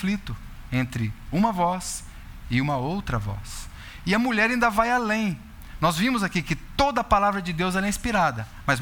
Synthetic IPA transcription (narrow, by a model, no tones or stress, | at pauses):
flit̪ʊ | ẽnt̪ɾɪũmɐvɔs | ɪũmɐowt̪ɾɐvɔ̰s | ɪɐmuʎɛɾaĩnd̪ɐvajalẽj̃ | nɔzvĩmʊzakikɪt̪od̪ɐːpalavɾɐd͡ʒɪd̪ewzɛɾɐĩspiɾad̪ɐ | mɐz